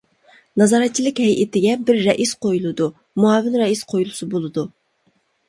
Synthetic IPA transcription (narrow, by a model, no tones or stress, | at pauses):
nɑzɑɾɛt̪̚t͡ʃʰilˠɪkʲhɛjʔet̪ʰɪɡʲɛbɪɾːɛʔisqʰojulˠɨd̪u | muɑːvɪnɾɛisqʰojulˠusɨbolˠɨd̪u